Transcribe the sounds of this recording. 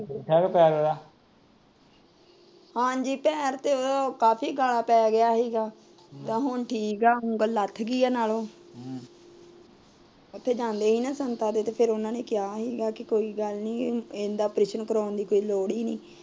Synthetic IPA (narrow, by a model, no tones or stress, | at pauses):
ɛːkpɛːɾoɾaː | hãːɲd͡ʒiːpɛːɾt̪eːoːd̪aːkaːpʰiːɡaːlaːpɛːɡɪjaːɦiːɡaː | t̪ãːɦʊɳʈʰiːkaːʊŋɡəlːət̪ʰːɡiːaːnaːlõː | ʊt̪ʰːeːd͡ʒãːnd̪eːɦiːnãːsənt̪aːd̪eːt̪eːpʰɪɾʊnãːneːkɪjaːɦiːɡaːkɪkoːiːɡəlnĩːɪnd̪aːpɾɪʃənkəɾaːnd̪iːkoːiːloːɽiːniː